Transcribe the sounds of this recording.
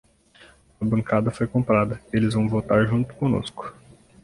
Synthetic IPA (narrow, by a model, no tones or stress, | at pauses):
ɐbɐ̃ŋkad̪ɐfojkõmpɾad̪ɐelɪzvɐ̃w̃vowt̪aɾʒũt̪ʊ̥kõno̰skʊ̥